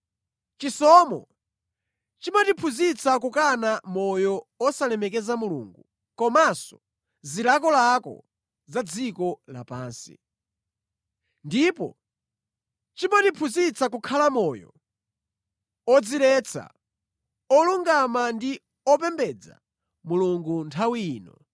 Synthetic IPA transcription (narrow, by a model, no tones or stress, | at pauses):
t͡ʃisɔmɔ̰ | t͡ʃimatipʰuzit͡sakukanamɔjɔɔsalɛmɛkɛzamulṵŋɡu | kɔmasɔ | zilakɔlakɔ̰ | zad͡zikɔla̰paːnsḭ | ndipɔ̰ | t͡ʃimatipʰuzit͡sakukʰalamɔːjɔ̰ | ɔd͡zilɛt͡sʰa̰ | ɔluŋɡamandi | ɔpɛmbɛd͡za̰ | muluŋɡuntʰawiːnɔ